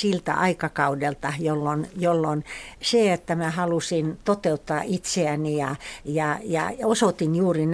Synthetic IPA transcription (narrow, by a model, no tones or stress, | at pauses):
silt̪æ̰ʔɑikɑkɑudelt̪ɑjolːonjolːonseet̪ːæmæhɑlusint̪ot̪eut̪ːɑːʔit̪seænijɑjɑjɑ̰osot̪injuːrin